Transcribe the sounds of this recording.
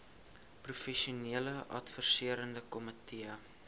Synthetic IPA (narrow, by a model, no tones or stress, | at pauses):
prufɛʃiuniələʔɐ̰tfərsiəɾəndəkɔmətʰiə